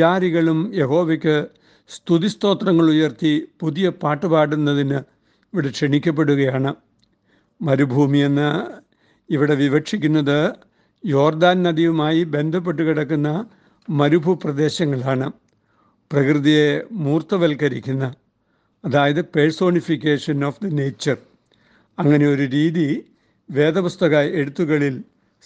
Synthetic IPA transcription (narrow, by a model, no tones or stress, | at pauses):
aːɾiɣɐɭumje̞ɦo̞ːʋekʲːɨ | st̪uðist̪o̞ːt̪rɐŋːɐɭujɐrt̪ipuðijɐpaːʈːɨbaːɽunːɐðinɨ | iʋiɽe̞kʂeɳikʲːɐp̬ːeɽuɣɐjaːɳɨ | mɐɾubʱuːmije̞nːɨ | iʋiɽe̞ʋiʋɐkʂikʲːunːɐðɨ | jo̞ːrd̪aːnnɐd̪iʋumaːjibe̞nd̪ʱɐp̬ːe̞ʈ̬ːukiɽɐkːunːɐ | mɐɾubʱuprɐd̪e̞ːɕɐŋːɐɭaːɳɨ | prɐkrɨðije̞muːrt̪ɐʋelkɐɾikʲːunːɐː | ðaːjɐðɨpeɻso̞ːɳifikʲːeːʂɐnofd̪ɐne̞jt͡ɕːɐr | ɐŋːɐne̞o̞ɾuɾiːði | ʋe̞ːd̪ɐpust̪ɐɣae̞ɽut̪ːuɣɐɭil